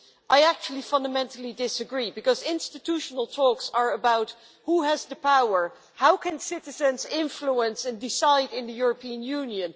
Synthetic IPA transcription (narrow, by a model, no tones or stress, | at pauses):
ʔaɪæk̚t͡ʃulˠifʌ̃ndəmɛ̃ntʰl̩ˠidɪsəɡɹibɨkʌzɪ̃nstɨtʰuʃənəlˠtʰɔksə˞əbaʊt | huəzðəpʰaʊə˞ | haʊkʰɨ̃nsɪɾɨzɨ̃nzɪ̃ɱfluə̃nsɨ̃ndɪsaɪdɪ̃nðɨjʊɹəpʰiə̃njũnjɨ̃n